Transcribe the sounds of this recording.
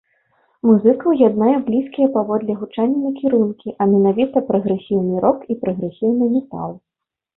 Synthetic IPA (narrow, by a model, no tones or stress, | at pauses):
muzɨkɐwjad̪najɛblʲiskʲijɛpavɔd̪lʲɛɣut͡ʂanʲːɐnɐkʲiɾunkʲiʔɐmʲɛnavʲit̪ɐpɾɐɣɾɛsʲiwnɨɾɔkipɾɐɣɾɛsʲiwnɨmʲɛt̪a̰lˠ